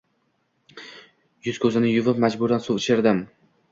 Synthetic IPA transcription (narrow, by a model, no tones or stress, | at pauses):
jʊz̥kʲʰɵzɪnɪjʊvɪp̚mad͡ʒbʊɾd̪ansuɪt͡ʃʰɪɾd̪ɪm